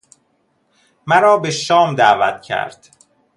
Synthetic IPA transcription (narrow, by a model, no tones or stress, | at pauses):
mæɾɒːbeʃɒːmd̪ævæt̪cʰæ̰ɾd̪̥